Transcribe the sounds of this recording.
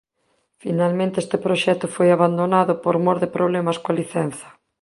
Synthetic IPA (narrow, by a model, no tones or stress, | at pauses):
finalmẽnt̪ɪest̪ɪpɾoʃɛt̪ʊfojaβand̪onaðʊpoɾmoɾðɪpɾoβlɛmɐskoaliθɛn̟θɐ̥